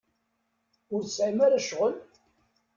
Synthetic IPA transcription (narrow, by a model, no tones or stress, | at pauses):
ʊɾθəsʕimaɾaʃʁəl